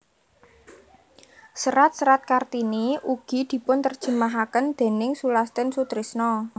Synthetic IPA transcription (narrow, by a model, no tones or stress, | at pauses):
səɾat̪̚səɾat̪̚kart̪iniʔuɡ̥i̤d̪̥i̤pʊnt̪ərd̥ʒ̥ə̤maɦakənd̪̥e̤nɪŋsulast̪ɛnsut̪ɾisnɔ